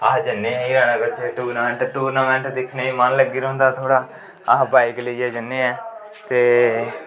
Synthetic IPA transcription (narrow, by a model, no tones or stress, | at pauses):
ad͡ʒənːeːɛ̃iːɾaːɽ̃aːkəɾt͡ʃeʈuːɾnaːmɛ̃ːɳʈʈuːɾnaːmɛ̃ːɳʈd̪ɪkʰneːiːmənləɡiːɾə̃ːnd̪aːt̪ʰoːɽaː | əɦbaːikləiːɛːd͡ʒənːeːɛː | t̪eː